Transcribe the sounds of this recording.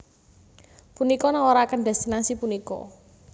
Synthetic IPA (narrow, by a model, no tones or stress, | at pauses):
punikɔnaŋoɾaːkənɖ̪ɛst̪inasipunikɔ̰